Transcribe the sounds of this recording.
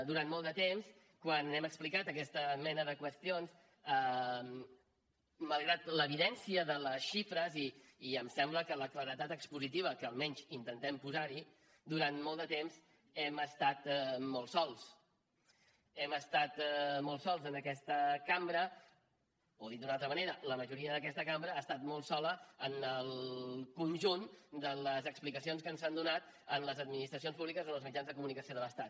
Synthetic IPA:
d̪uɾant̪mɔlˠd̪ət̪ems | kwanɛməksplikat̪əkɛst̪əmɛnəðəkwəst̪ions | ə | məlˠɣɾat̪ləβiðɛnsiəðələsʃifɾəziːəmsɛmbləkələkləɾət̪at̪əkspuzit̪iβ̞əkəːlˠmɛɲʲzint̪ənt̪ɛmpuzaɾi | d̪uɾant̪mɔlˠd̪ət̪emz | ɛməst̪at̪mɔlˠsɔlˠs | ɛməst̪at̪mɔlˠsɔlˠzənəkɛst̪əkambɾə | oðit̪d̪unalˠt̪ɾəməneɾələməʒuɾiəðəkɛst̪əkambɾəast̪at̪̚mɔlˠsɔləənəlˠkunʲʒund̪ələzəksplikəsionskənzand̪unat̪ | ənləzəd̪̚minist̪ɾəsionspuβlikəzonlzmid͡ʒanzðəkumunikəsioðələst̪at̪̚

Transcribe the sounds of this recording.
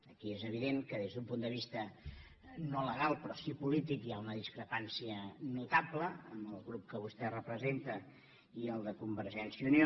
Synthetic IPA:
əkiezəβ̞iðeŋkəðezðumpund̪əβ̞ist̪ə | noləɣ̞alˠpɾɔsipulit̪ikjaunəðiskɾəpansiənut̪abləəmbəlˠɣɾup̚kəβ̞ust̪ɛrəpɾəzent̪ə | iəlˠd̪əkumbəɾʒɛnsiunio

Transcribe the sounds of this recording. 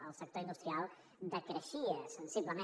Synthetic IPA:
awsɐk̚t̪oɾind̪ust̪ɾialˠ | d̪ɐkɾeʃiɐssĩmpləmẽ

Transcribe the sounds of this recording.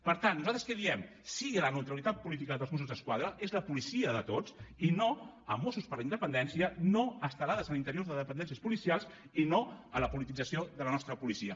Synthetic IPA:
pəɾt̪anːuzalt̪ɾəskəðiɛm | siɣiələnəwt̪ɾəlit̪at̪̚pulit̪ikəðəlˠzmosuzðəskwaðɾəʔezləpulisiəðət̪ot͡sino | əmosuspəɾləind̪əpənd̪ɛnsiənoəst̪əlaðəzənint̪əɾioɾðəðəpənd̪ɛns̬iəspulisialˠz | inoələpulit̪id͡zəsioðələnɔst̪ɾəpulisiə

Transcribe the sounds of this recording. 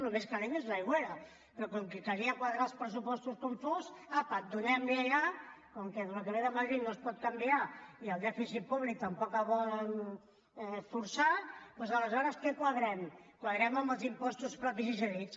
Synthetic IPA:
numeskaleɲeznajɣweɾə | pɾɔkɔŋkikaɾiəkwaðɾalˠspɾəs̬upɔst̪uskuɱfuzapəd̪unɛmliaʎa | koŋkɛðələkəβeðəməðɾinːospɔt̪̚kambiaiəlˠd̪ɛfisit̪̚puβlik̚t̪əmpɔkaβɔln | ɛfuɾsapwɔzələzɔɾəskɛkwaðɾɛmkwaðɾɛməmbəlˠzimpɔst̪uspɾɔpizizəɾit͡s

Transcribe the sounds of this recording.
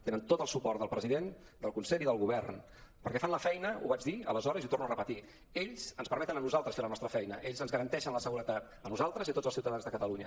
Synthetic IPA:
t̪enənt̪ot̪əlˠsupɔrt̪d̪əlˠpɾəziðen | d̪əlˠkunsɛʎiðəlˠɣuβɛrn | pəɾkɛfanləfɛjnəṵβad͡ʒðiə̰ləzɔɾəziut̪ornuərəpət̪i | eʎzənspəɾmɛt̪ənənuzalˠt̪ɾəsfeɾlənɔst̪ɾəfɛjnəʔeʎzənzɣəɾənt̪ɛʃənləsəɣuɾət̪at̪ | ənuzalˠt̪ɾəzit̪otd͡zəlˠsiuwt̪əðanzðəkət̪əluɲə

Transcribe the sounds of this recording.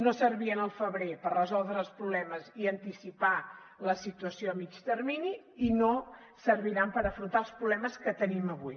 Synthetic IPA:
nosəɾβiənəlˠfəβɾepərrəzɔlˠd̪ɾəːlˠspɾuβlɛməziənt̪isipa | ləsit̪uəsioəmit͡ʃt̪ərmini | ino | səɾβiɾampəɾəfɾunt̪alˠspɾuβlɛməskət̪əniməβuj

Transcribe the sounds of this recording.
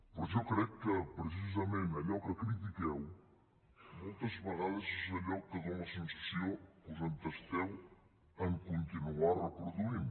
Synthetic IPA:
pozewkɾɛjukɨpɾɨs̬izɐmẽnmɐʎɔɾkɐkɾit̪̬ikew | mulˠt̪ɐzβɐʁaðɐzuzmɐʎɔɾkɨðɐw̃mɐsẽnsɐ̥siɐ̃w̃kuzɐ̃nt̪ɐʃt̪ɛlˠ | ɐ̃kõnt̪inuaɾɐpɾoðuin

